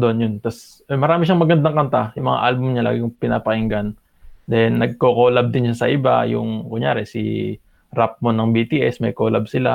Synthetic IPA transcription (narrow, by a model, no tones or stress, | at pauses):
d̪oonjont̪as | mɐɾaːmɪʃaŋmɐɡɐnd̪aŋkɐnt̪ajʊŋmɐ̰ŋa̰ʔalbʊmɲala̰ːɡɪkŋpɪna̰ːpɐʔɪŋɡan | d̪ɛnːɐɡ̚kokoːlɐb̚d̪ɪnʃasɐʔɪba̰jʊ̰ŋkʊŋjaːɾɛsḭ | ɾap̚monɐŋbit̪iʔɛsmɐjkoːlab̚sɪla̰